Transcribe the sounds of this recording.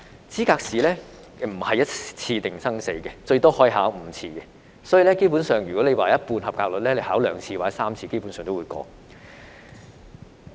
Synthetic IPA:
t͡siː˨˥kaː˧k̚siː˨lɛː˥ | m̩˨˩hɐ˨jɐ˥t̚t͡sʰiː˧t̪ɪ˨˩ŋsɐ˥ŋse˨˧jkɛ˧t͡ʃɵ˧t̪ɔː˥hɔː˥˨˧ɦaː˨˥wm̩˨˧˥t͡sʰiː˧kɛ˧ | sɔː˨˥ji˨˧lɛː˥ke˥jp̬u˨˥nsœː˨ŋjyː˨˩kɔ˨˥le˨˧jwaː˨˩jɐ˥t̚puː˧nhɐ˨p̚kaː˧k̚lɵ˨t̚lɛ˥le˨˧haː˨˥wlœː˨˥ŋt͡sʰiː˧waː˨˩ɛ˦˥saː˥mt͡sʰiː˧ke˥jpu˨˥nsœː˨ŋt̪o˥wuː˨˧jkɔ̰ː˨˧k̚

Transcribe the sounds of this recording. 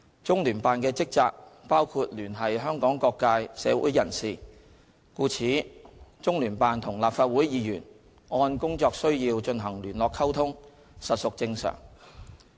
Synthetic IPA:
t͡sʊ˥ŋlyː˨˩npaː˨nkɛː˧t͡sɪ˥k̚t͡saː˧k̚paː˥wkʰuː˧t̚lyː˨˩nɦɐ˨jɦœː˥ŋkɔː˨˥ŋkɔː˧kːaː˧jsɛː˨˧˥wṵː˨˥jɐ˨˩nsiː˨ | kuː˧t͡sʰiː˨˥t͡sʊ˥ŋlyː˨˩npaː˨nt̪ʰʊ˨˩ŋlaː˨p̚faː˧t̚wuː˨˥jjiː˨˧jyː˨˩n | ŋɔː˧nkʊ˥ŋt͡sɔː˧k̚sɵ˥ɥjiː˧wt͡ʃɵ˧nɦɐ˨˩ŋlyː˨˩nlɔː˨kʰɐ˥wt̪ʰʊ˥ŋ | sɐ˨t̚sʊ˨k̚t͡sɪ˧ŋsœ̰ː˨˩ŋ

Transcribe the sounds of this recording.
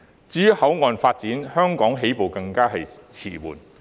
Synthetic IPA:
t͡syː˨˥yː˨˩hɐ˨˥wŋɔː˨˧nfaː˧t̚t͡siː˨˥nhœː˥ŋkɔː˨˥ŋɦe˨˥jpo˨wkɐ˧ŋkaː˥ɦɐ˨jt͡sʰḭː˨˩wṵː˨˩n

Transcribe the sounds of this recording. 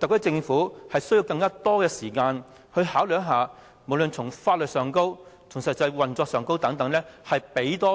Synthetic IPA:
t̪ɐ˨k̚tɐ˥t͡sɪ˧ŋfuː˨˥hɐ˨jsɵ˥ɥji˧wkɐ˧ŋkaː˥t̪ɔː˥kɛː˧siː˨˩kaː˧n | hɵ˧ɥhaː˨˥wljɐ˥tɦaː˨˧ | mo˨˩wlɵ˨nt͡sʰʊ˨˩ŋfaː˧t̚lɵ˨t̚sœː˨˩ŋko˥wt͡sʰʊ˨˩ŋsɐ˨t̚t͡sɐ˧jwɐ˨nt͡sɔː˧k̚sœː˨ŋko˥wt̪ɐ˨˥ŋt̪ɐ˨˥ŋlɛː˥hɐ˨jpe˨˥jt̪ɔː˥

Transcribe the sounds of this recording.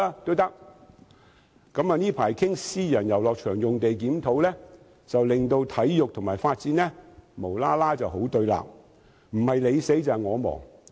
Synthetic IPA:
aː˥t̪o˥wt̪ɐ˥k̚ | kɐ˨˥maː˨˧niː˥pʰaː˨˩jkʰɪ˥ŋsiː˥jɐ˨˩njɐ˨˩wlɔː˨k̚t͡ʃʰœː˨˩ŋjʊ˨ŋt̪e˨jk̬iː˨˥mt̪ʰo˨˥wlɛː˥ | t͡sɐ˨wlɪ˨ŋt̪o˧wt̪ʰɐ˨˥jjʊ˨k̚t̪ʰʊ˨˩ŋmaː˨˩jfaː˧t̚t͡siː˨˥nlɛː˥mo˨˩wlaː˥laː˥t͡sɐ˨wɦo˨˥wt̪ɵ˧ɥla̰ː˨p̚ | m̩˨˩hɐ˨jle˨˧jse˨˥jt͡saː˨jŋɔː˨˧mɔ̰ː˨˩ŋ

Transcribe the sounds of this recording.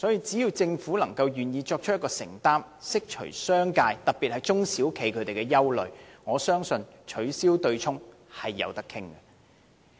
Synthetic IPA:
sɔː˨˥jiː˧t͡si˨˥jiː˧wt͡sɪ˧ŋfu˨˥lɐ˨˩ŋkɐ˧wjyː˨njiː˧t͡ʃɔː˧k̚t͡ʃ̚ʰjɐ˥kɔː˧sɪ̰˨˩ŋt̪aː˥m | sɪ˥k̚t͡ʃʰɵ̰˨˩sœː˥ŋkaː˧jt̪ɐ˨˩k̚piː˨t̚hɐ˨jt͡sʊ˥ŋsiː˨˥wkʰe˨˥jkʰɵ˨˧ɥt̪e˨jkɛː˧jɐ˥wlɵ̰˨ɥŋɔː˨˧sœː˥ŋsɵ˧nt͡ʃʰɵ˨˥ɥsiː˥wt̪ɵ˧ɥt͡ʃʰʊ˥ŋ | hɐ˨jːɐ̰˨˧wt̪ɐ˥kʰːɪ˥ŋɡɐ˨

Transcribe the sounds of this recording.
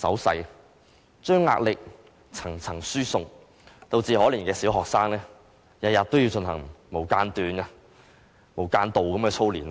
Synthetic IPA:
sɐ̰˨˥wsɐ̰˧j | t͡ʃœː˥ŋːa̰ː˧k̚lɪ˨k̚ | t͡sʰɐ˨˩ŋt͡sʰɐ˨˩ŋsyː˥sʊ˨ŋ | t̪o˨˧wt͡siː˨hɔː˨˥liː˨˩nkɛː˧siː˨˥wɦɔː˨k̚saː˥ŋlɛː˥ | jɐ˨t̚jɐ˨t̚t̪o˥wji˧wt͡sɵ˧nhɐ̰˨˩ŋmo˨˩wkaː˧nt̪yː˨nɐ˧ | mo˨˩wkaː˧nt̪o˨wkɐ˨˥mkɛː˧t͡sʰo˥wliː˨˩n˧

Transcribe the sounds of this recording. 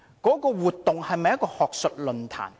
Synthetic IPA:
kɔː˨˥kɔː˧wuː˨t̪ːʊ˨ŋhɐ˨jmɐ˨jɐ˥t̚kːɔː˧hɔː˨k̚sɵ˨t̚lɵ˨nt̪ʰa̰ː˨˩n

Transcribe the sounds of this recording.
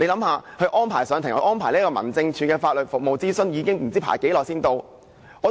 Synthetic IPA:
le˨˧jlɐ˨˥mhaː˨˧hɵ˧ɥʔɔː˥npʰaː˨˩jsœː˨˧ŋt̪ʰŋ˧˥ʔɔː˥npʰaː˨˩liː˥kɔː˧mɐ˨˩nt͡sɪ˧ŋt͡ʃʰyː˨˧kɛː˧faː˧t̚lɵ˨t̚fʊ˨k̚mo˨wt͡siː˥sɵ˥njiː˨˧kɪ˥ŋm̩˨˩t͡siː˥pʰa̰ː˨˩jke˨˥jlɔː˨k̚siː˥nt̪o˧w | ɔː˨˧

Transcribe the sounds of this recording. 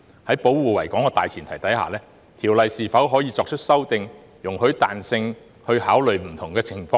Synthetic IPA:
hɐ˨˥jpo˨˥wuː˨wɐ˨˩jkɔː˨˥ŋkɛː˧t̪aː˨jt͡sʰiː˨˩nt̪ʰɐ˨˩jt̪ɐ˨˥jha̰ː˨˩lɛː˥ | t̪ʰiː˨˩wlɐ˨jsiː˨fɐ˨˥wɦɔː˨˥jiː˨˧t͡sɔː˧k̚t͡ʃʰɵ˥t̚sɐ˥wt̪ɪ˧ŋ | jʊ˨˩ŋhɵ˨˥t̪a̰ː˨nsɪ˧ŋ | hɵ˧ɥhaː˨˥wlɵ˨ɥm̩˨˩t̪ʰʊ˨˩ŋkɛː˧t͡sʰɪ˨˩ŋfɔː˧ŋ

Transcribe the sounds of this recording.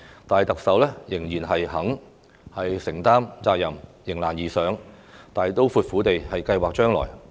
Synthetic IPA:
t̪aː˨jt̪ɐ˨k̚sɐ˨˥wlɛː˥jɪ˨˩ŋjiː˨˩nɦɐ˨jhɐ˨˥ŋ | hɐ˨jsɪ˨˩ŋt̪aː˥mt͡saː˧k̚jɐ˨˩mjɪ˨˩ŋlaː˨˩njiː˨˩sœː˨˥ŋ | t̪aː˨jt̪o˥wfuː˧t̚fuː˨˥t̪e˨jhɐ˨jkɐ˧jwaː˨k̚t͡ʃœː˥ŋlɔ̰ː˨˩j

